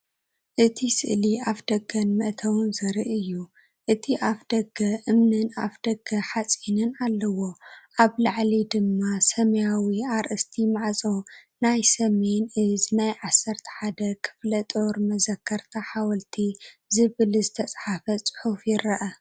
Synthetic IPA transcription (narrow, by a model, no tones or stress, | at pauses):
ʔɨt̪ʰisɨ̰ʔliʔafd̪̥ɐɡːɐnmɨʔt̪ʰɐwunzɐɾiʔɨjːu | ʔɨt̪ʰiʔafd̪̥ɐɡːɐʔɨmnɨnafd̪̥ɐɡɐħat͡sʼinɨnalːɐwo̞ʔaβlaʕlid̪ɨmːasɐmɐjawiaɾʔɨst̪ʰimaʕt͡sʼonajsɐme̞nɨznajʕasːɐɾt̪ʰɐ̥ħad̪ɐkʰɨ̥flɐt̪ʼoɾmɐzɐkʰːɐɾt̪ʰɐħawɐlt̪ʰizɨβɨlzɨt̪ʰɐt͡sʼħafɐt͡sʼɨ̥ħufjɪɾɐʔɐ